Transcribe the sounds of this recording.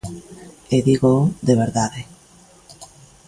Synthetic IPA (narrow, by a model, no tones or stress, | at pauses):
eðiɣoðeβ̞eɾðaðe